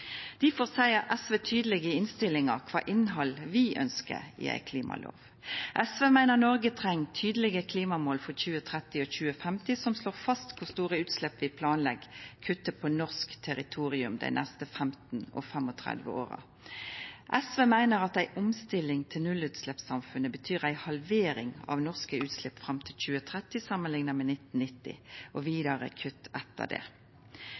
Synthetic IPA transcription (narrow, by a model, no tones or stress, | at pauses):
d̪̥iːfoːʁsæɪɑʔɛsʋeːt̪ʰyːd̪əlɪɡəɪnst̪ɪlɪŋəkʰʋɑ̰ːʔɪnɦɑlʋɪʔœ̰nskə̰ɪ̰æ̰ɪkʰliːmɑ̰lʔo̰ːʋ | ʔɛsʋeːmæɪnəʁnɔʁɡət̪ʰʁɛŋt̪ʰyːd̪əlɪɡəkʰliːmɑmoːlfɔçʉːət̪ʰʁɛt̪ɪɔçʉːəfɛmt̪ɪsɔmsloːʁfɑst̪kʰʊst̪uːʁəʉːt̪slɛpʋɪpʰlɑːnlɛɡkʰʉt̪ːəpʰɔnɔʁskt̪ʰɛʁɪt̪ʰuːʁɪʉmd̪æ̰ɪnɛst̪əfɛmt̪n̩ɔ̰fɛmɔt̪ʰʁɛ̰d̪ʋə̰o̰ːʁɑ̰ | ʔɛsʋeːmæɪnəʁɑt̪æɪʔʊmst̪ɪlɪŋt̪ʰɪlnʉlʉːt̪slɛpsɑmfʉnəbət̪ʰyːʁæɪhɑlʋeːɾɪŋɑ̰ʋnɔʁskəʉːt̪slɪpfʁɑmt̪ʰɪlc͡çʉːət̪ʰʁɛt̪ɪsɑmənlɪŋnɑmɛnɪt̪ːn̩nɪt̪ːɪ̰ʔɔʋiːd̪ɑʁə̰kʰʉt̪ːɛt̪ːə̰d̪ɛ̰